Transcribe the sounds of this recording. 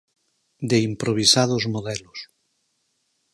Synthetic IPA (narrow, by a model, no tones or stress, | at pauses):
d̪eimpɾoβ̞isaðozmoðɛlos